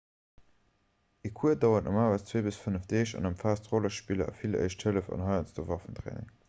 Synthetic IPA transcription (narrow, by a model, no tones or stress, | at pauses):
ekʰuədɑʊɐtnʔɑ̰maːvəst͡sweːbəsfənəfd̥eːɕɑ̰nɑmfaːstʁɔlɐʃpilɐ̰ʔɑ̰filə̰ɪʃtʰhələfɑ̰nɦɑɪənsd̥ovɑfəntʁḛːnɪ̰ŋ